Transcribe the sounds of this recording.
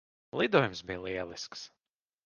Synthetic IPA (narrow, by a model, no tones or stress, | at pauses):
lˠid̪uɔjumsbijlˠiɛlˠisks